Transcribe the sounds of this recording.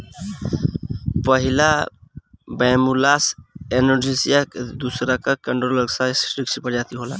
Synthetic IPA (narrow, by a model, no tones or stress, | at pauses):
pəɦila | bamulasenoɾd͡ʒisijakd̪usɾakakəɳɖɾoləɡsasɾikt͡ʃipəɾd͡ʒat̪iɦola̰